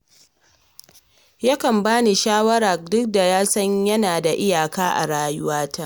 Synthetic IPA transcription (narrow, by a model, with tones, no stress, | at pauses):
ja˦kɐ˨mbaː˦ni˨ʃaː˦wɐ˦ɾa˨rdʊ˦k̚da˨jaː˦sɐ˦ɲjɐ˦naː˨da˨ʔɪ˦jaː˨kaː˦ʔa̰˨ɽaː˦jʊ˦waː˦ta˦ʔ